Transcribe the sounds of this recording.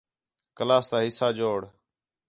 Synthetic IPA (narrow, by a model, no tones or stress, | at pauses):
kəlaːst̪aːɦɪsaːd͡ʒoːɽ